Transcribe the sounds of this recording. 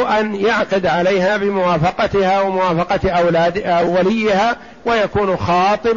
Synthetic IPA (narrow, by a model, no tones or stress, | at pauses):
ʔanjaʕqɪd̪ʕalajɦaːbɪmʊwaːfɑqɑt̪ɪhawamʊwaːfɑqɑt̪ʔalaːd̪awːalɪjːɪhaː | wajakuːnxɑːt̪ˤɨb